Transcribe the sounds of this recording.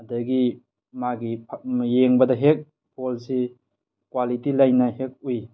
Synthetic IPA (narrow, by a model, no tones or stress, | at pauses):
ɐdɐɡi | maɡipʰjeŋbɐdɐɦek̚ | pʰolsi | kwalitilajnɐhek̚uj